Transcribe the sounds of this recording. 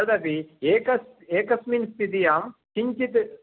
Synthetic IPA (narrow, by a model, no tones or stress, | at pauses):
d̪ɐpieːkɐs | eːkɐsmiːnst̪id̪ijaːmt͡ʃiɲt͡ʃit̪